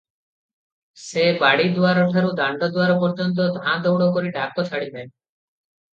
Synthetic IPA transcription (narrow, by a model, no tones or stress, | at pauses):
sebaɽid̪uaɾɔʈʰaɾud̪aɳɖɔd̪uaɾɔpɔɾd͡ʒɔnt̪̬ɔd̪ʱãd̪ɔwɽɔkoɾiɖʱakɔt͡ʃʰaɽib̪ae